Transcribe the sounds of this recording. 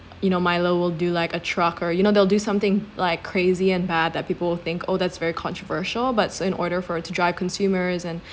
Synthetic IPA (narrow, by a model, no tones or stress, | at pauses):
jɨñoʊmaɪloʊwɪlˠdɨlaɪkɨtʰɹ̥ʌkʰə˞jɨñoʊðeɪlˠdɨsʌ̃mθɪ̃ŋlaɪkʰːɹ̥eɪziɨ̃nbæd̪̚ðɨt̚piːpl̩ˠwɪlˠθɪ̃ŋkʰo̰ʊðætsvɛɹikʰɑ̃ntɹ̥əvɜ˞ʃl̩ˠbʌtsɪ̃nɔ̰ɹɾə˞fə˞tʰɨdɹaɪv̥kʰə̃nsʉmə˞zɨ̃n